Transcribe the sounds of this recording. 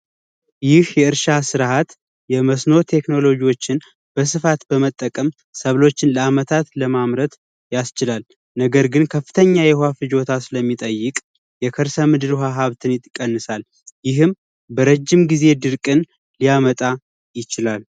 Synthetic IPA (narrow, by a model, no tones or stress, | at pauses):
jɪhjɛɨɾʃasɨɾhat̪ | jɛməsno̞t̪ʰe̞kno̞lo̞d͡ʒiwo̞t͡ʃːɪn | b̥əs̬ɨfat̪bəmət̪ʼːəkʼəm | səβlo̞t͡ʃːɪnləamət̪ʰat̪ləmamɾət̪ | jast͡ʃɪlal | nəɡəɾɡɨnkʰəfːɨt̪ʰəɲːajɛhafɨd͡ʒo̞t̪ʰasɨləmːit̪ʼəjːɪkʼ | jɛkʰəɾsəmɨd̪ɨɾɦaɦaβt̪ʰɨnjɪt̪ʼːkʼːənːɨsal | jɪɦɨm | bəɾəd͡ʒːɪmɡize̞d̪ɨɾkʼɨn | lijamət̪ʼa | jɪt͡ʃɪlal